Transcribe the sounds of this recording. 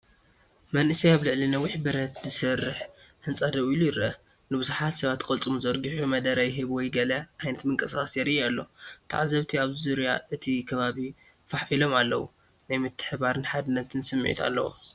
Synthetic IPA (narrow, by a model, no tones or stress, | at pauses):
mɐnʔɨsijaβlɨʕlinɐwiħbɨɾɐt̪zɨsɐrːɨħħɨnt͡sʼɐd̪ɐʔjlujɪɾʔɐ | nɨbɨzuħat̪sɐβat̪ːkʼɐlt͡sʼɨmuzɐɾɡɨħumɐd̪ɐɾɐjɦɨβwɔjɡɐlɐʕajnɐt̪mɨŋkʼɐsaxʼɐsjɛɾiʔalːo̞̰t̪ʰa̰ʕazɐβt̪ʰiaβzuɾja̰ʔɨt̪ʰikʰɐβaβi | faħʔilo̞malːɐ̰wṵ | najmɨt̪ʰːɨ̥ħbaɾɨnħad̪ɨnːɐt̪ʰɨnsɨmːʕḭt̪ʰa̰lːɐ̰wo̰